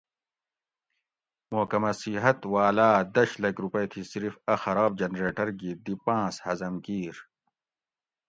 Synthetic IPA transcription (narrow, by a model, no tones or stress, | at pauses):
moːkɐmɐsiɦɐt̪waːlaːd̪ɐɕlɐɡɾupɐt̪ʰisiɾfɐxɐɾaːb̚d͡ʑɐnɾeːʈɐɾɡid̪ipãːshɐzɐmkiːɾ